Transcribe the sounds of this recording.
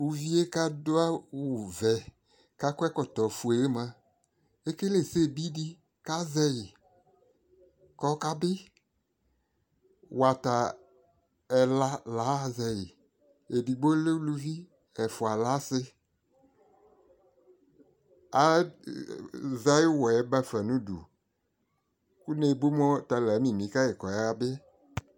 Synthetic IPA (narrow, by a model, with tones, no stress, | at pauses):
u˨vi˦e˦ka˦dʊ˦a˦wu˨vɛ˨ | ka˦kɛ˦kɔ˨t̪ɔ˨fu˨e˨je˦mã˦ | e˦ke˦le˨se˦˨bi˦di˦ | ka˦zɛ˧jɪ˨ | kɔ˦ka˦bɪ˦ | wa˨ta˨ | ɛ˨la˦la˨˦zɛ˨jɪ˨ | e˨di˨ɡ͡bo˦le˦lu˦vi˦ | ɛ˨fʊ˨a˨la˨˦sɪ˦ | a˨˦ | za˦jɪ˦wɔ˨ɛ˨˦ba˦fɛ˨nũ˦dṵ˨ | ku˦ne˨bu˦mɔ˦ta˨lɛ˨˦mĩ˨mĩ˨˦ka˦jɪ˨kɔ˨ja˦a˦bɪ˦